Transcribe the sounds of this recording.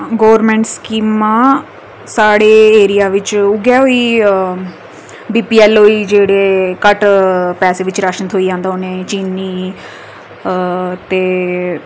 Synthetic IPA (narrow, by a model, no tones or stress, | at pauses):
ɡoːʋɾmɛ̃ːɳʈskiːmːãː | saːɽeːeːɾɪjaːʋɪt͡ʃʊɡjɛːɦoːiː | biːpiːɛːloːiːd͡ʒeːɽeːkəʈpɛːseːʋɪt͡ʃɾaːʃənət̪ɦoːiːd͡ʒãːnd̪aoːneːt͡ʃiːnːiː | t̪eː